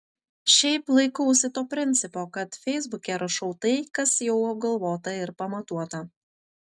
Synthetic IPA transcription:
ʃʲɛɪplˠɐɪkɐʊsʲɪt̪oːpʲɾʲɪnʲt̪sʲɪpoːkɐt̪fʲɛɪzbʊkʲeɾɐʃɐʊt̪ɐɪkɐsjɛʊɐb̚ɡɐlˠʋoːt̪ɐɪɾpɐmɐt̪uɔt̪ɐ

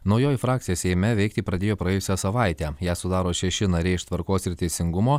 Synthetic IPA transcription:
nɒʊjoːjɪfɾɑːk̚t̪ʲɪjoːsʲɛɪmʲɛʋʲɛɪk̚t̪ʲɪpɾɐd̪ʲeːjoːpɾɐjɛːjʊsʲɛsɐʋɑˑɪt̪ʲæːjæːsʊd̪ɑːɾoːʃʲɛʃʲɪnɐɾʲɛɪɪʃt̪ʋɐɾkoːsɪɾt̪ʲɛɪsʲɪŋɡʊmoː

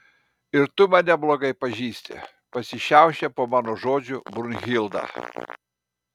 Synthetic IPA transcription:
ɪɾt̪ʊmɐnʲɛblˠoːɡɐɪpɐʒʲiːsʲt̪ʲɛ̰ | pɐsʲɪʃʲɛʊʃʲɛpoːmɑːnoːʒoːd͡ʒʲʊbɾʊnʲɣʲɪlˠd̪ɑ̰

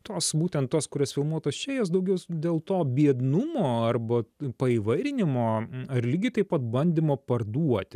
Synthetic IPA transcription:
t̪oːsbuːt̪ʲɛnt̪t̪ːoːskʊɾʲosfʲɪlˠmuɔt̪ɐsʃʲɛːjos̬d̪ɐʊɡʲɛʊd̪ʲeːlˠt̪oːbʲiɛd̪nʊmoːɐrbɐpɐiːʋɐɪɾʲɪnʲɪmoːɐrlʲiːɡʲɪt̪ɐɪpɐt̪̚bɐnʲd̪ʲɪmoːpɐrd̪uɔt̪ʲ

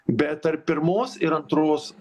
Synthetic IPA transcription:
bʲɛt̪ɐɾpʲɪɾmoːsɪɾɐnt̪ɾoːs

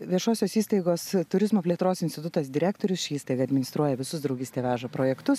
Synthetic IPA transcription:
ʋʲiɛʃoːsʲoːsiːst̪ɐɪɡoːst̪ʊɾʲɪzmoːpʲlʲeɛt̪ɾoːsɪnsʲtʲɪt̪ʊt̪ɐsd̪ʲɪɾʲæːkt̪oːɾʲʊsʃʲiiːst̪ɐɪɡɐɐd̪ʲmʲɪnʲɪst̪ɾuɔjɛʋʲɪsʊsd̪ɾɒʊɡʲɪsʲt̪ʲeːʋʲæːʒɐpɾoːjɛkt̪ʊs

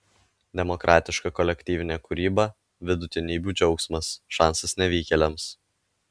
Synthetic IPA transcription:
d̪ʲɛmɔkɾʔɑːt̪ʲɪʃkɑkɔlʲɛkʲt̪ʲiːʋʲɪnʲɛkʊɾʲiːbɐ | ʋʲɪd̪ʊt̪ʲɪnʲiːbʲuːd͡ʒʲɛʊksmɐsʃɑˑnsɐsnʲɛʋʲiːkʲɛlʲɛms

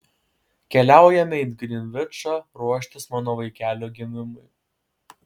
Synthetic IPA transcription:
kʲɛlʲæˑʊjɛmʲɪɪd̪ɡɾʲɪnʲʋʲɪt͡ʃɑɾuɔʃʲt̪ʲɪsmɑːnoːʋɐɪkʲæːlʲoːɡʲɪmʲɪmʊɪ

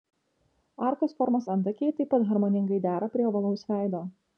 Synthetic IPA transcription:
ɐˑɾkɐsfɔɾmɐsɐnt̪ɐkʲeɪt̪ɐɪpːɐt̪ɦɐɾmoːnʲɪŋɡɐɪd̪ʲæːɾɐpʲɾʲiɛʋɐlˠɐʊsʋʲæˑɪd̪oː

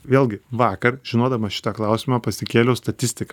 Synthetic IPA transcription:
ʋʲeːlʲˠɡʲɪʋɑːkɐɾʒʲɪnoːd̪ɐmɐʃʲɪ̥t̪ɐklˠɐʊsʲɪmɑpɐsʲɪkʲeːlʲoʊst̪ɐt̪ʲɪsʲt̪ʲɪk

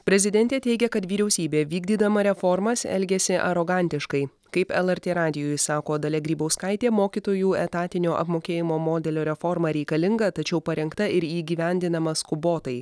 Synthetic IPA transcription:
pʲɾʲɛzʲɪd̪ʲɛnʲt̪ʲeːt̪ʲɛɪɡʲɛkɐt̪ʋʲiːɾʲɛʊsʲiːbʲeːʋʲiːɡd̪ʲiːd̪ɐmɐɾʲɛfɔɾmɐsɛ̰lʲɡʲɛsʲɪʔɐ̰ɾoɡɑˑnʲt̪ʲɪʃkɐɪ | kɐɪpɛlˠɛɾʲt̪ʲeːɾɑːd̪ʲɪjoːjsɑːkoːd̪ɐlʲɛɡɾʲiːbɐʊskɐɪt̪ʲeːmoːkʲiːt̪oːjuːɛt̪ɑːt̪ʲɪnʲoːʔɐ̰pmoːkʲeːjɪmoːmoːd̪ʲɛlʲoːɾʲɛfɔɾmɐɾʲɛɪkɐlʲɪŋɡɐt̪ɐt͡ʃʲɛʊpɐɾʲɛŋkt̪ɐɪɾiːɡʲiːʋʲɛnʲd̪ʲɪnɐmɐskʊboːt̪ɐɪ

